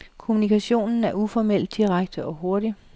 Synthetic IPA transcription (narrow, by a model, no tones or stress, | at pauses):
kʰo̝munikʰæɕo̝̰ːnn̩æɐufɒmel̰d̥ːiʁaɡ̥̚d̥əʔɒ̽ɦo̝ɐɾ̥i